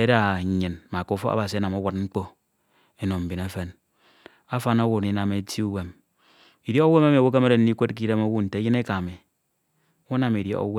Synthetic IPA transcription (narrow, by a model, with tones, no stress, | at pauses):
e˦da˦˨ɲɨ˨nma˨ko˦fɔ̰˦a̰˦ba˨si˨˦a˦na˨mo˦wa˨t̚ŋ͡m̩˦k͡po˦ | e˦no˨m̩˨bi˨ne˦fe˦n | a˦fa˦no˦wu˨ni˦na˨me˦ti˦u˦we˦m | i˨dje˦o˦we˦ma˦m˨wo˦k̬e˦me˦ɾe˨n̩˦i˦kʷe˦t̚k̬i˦de˦mo˦wu˦n̩˨te˨˦ji˦ne˦ka˨mi˨ | u˦na˨mi˨djḛ˦o̰˦w